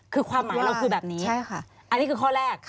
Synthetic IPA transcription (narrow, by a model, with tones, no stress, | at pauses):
kʰɯː˧kʰwaː˧mːa˨˦ɾa˧wkʰɯː˧bɛː˨˩p̚niː˦˥a˥˩jkʰa˥˩ | ʔa˧nːi˦˥kʰɯː˧kʰɔː˥˩ɾɛː˥˩k̚